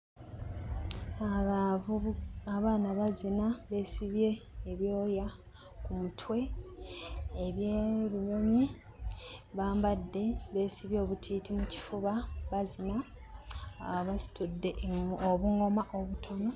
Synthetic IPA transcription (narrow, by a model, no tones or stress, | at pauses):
a | aβaːnaβazinaβe̞siβje̞ːβjo̞ːja | kumutʰwe̞ | βjeɾuno̞mi | βaːmbadːe̞βe̞ːsiβjo̞ːβutʰiːtʰimuci̥fuβaβazina | βasi̥tʰudːe̞ʔoβuŋo̞maʔo̞βutʰo̞no̞